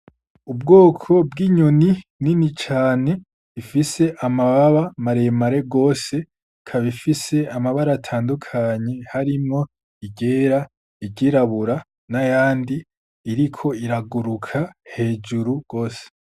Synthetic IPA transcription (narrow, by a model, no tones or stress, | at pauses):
ubɡoːkʰo̞bɡiːɲonininit͡ʃaːne̞ | ifise̞ʔamaβaβamaɾe̞maɾe̞ɡo̞ːse̞ | kʰaβifise̞amaβaɾatʰaːndukʰaɲe̞haɾimŋo̞ | iɟe̞ːɾa | iɟiɾaβuɾa | najaːndiː | ɾikʰo̞iɾaɡuɾukʰahe̞ːd͡ʒuɾuɡ̥o̞ːse̥